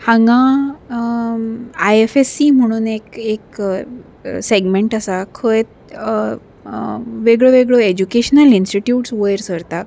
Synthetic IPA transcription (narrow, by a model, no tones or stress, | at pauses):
hãŋɡã | ajefesim̤əɽ̃uːnekek | seɡmẽɳʈəsakʰəjt̪ | ʋeɡɭoʋeɡɭoed͡ʑukeɕnəlinsʈiʈjuʈsʋəjɾsəɾt̪ak